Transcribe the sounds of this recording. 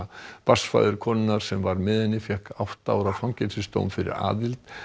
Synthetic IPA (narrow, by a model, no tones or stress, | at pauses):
pasfa̰jðʏɾ̥kʰɔːnɪnːaɾ̥sɛmvaɾmɪðɛnːɪfjɛhkawht̪aa̰wɾawfawŋcɛlsɪst̪o̰ːwmfɪɾɪ̰ɾa̰ːðɪlt̪